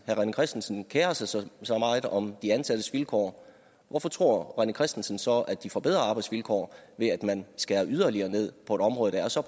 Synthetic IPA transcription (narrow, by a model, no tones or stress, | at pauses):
hæʁɑnəkʰʁɛsd̥n̩sən̩kʰeːɐsɑ̈ɪsɒ̽mɑ̈ɪð̩ˠʔɒ̽md̥iænsæd̥əsʋilkʰɒ̰ː | ʋɒfɒ̽t͡sʰʁo̝ɐ̰ʁɑnəkʰʁɛsd̥n̩sən̩sɒ̽æd̥̚ifɒ̽b̥e̝ð̞̰ˠʁɐɑ̈ːb̥ɑ̈ɪdsʋilkʰɒ̰ːʋe̝æd̥mænsɡ̥ææːɐʔyð̞ˠɐliɐːne̝ð̞̰ˠpʰɒ̽e̝d̥ɒ̽mʁɔːðˠd̥ɑæɐsɒ̽